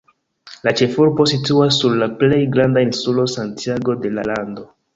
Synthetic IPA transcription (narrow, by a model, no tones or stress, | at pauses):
lat͡ʃe̞fuɾbo̞situasːuɾlaple̞jɡɾandainsulo̞santiaɡo̞de̞la̰lando̞